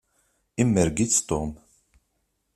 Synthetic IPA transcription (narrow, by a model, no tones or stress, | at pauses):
imːəɾɡit͡st̪om